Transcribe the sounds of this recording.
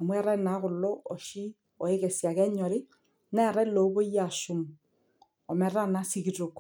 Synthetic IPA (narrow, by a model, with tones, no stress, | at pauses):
a˨mwɛ˦ɾɛ˦na˨˦ɣʊ˨lɔ˦ɔ˨ʃi˦ | ɔ˨e˦kɛ˨sja˨kɛ˦ɲɔ˨ɾɪ˦ | nɛ˦˨ɾɛ˦lo˨˦βo˦ja˨su˨m | ɔ˨mɛ˦ɾa˦na˦si˦ɣi˨to˨k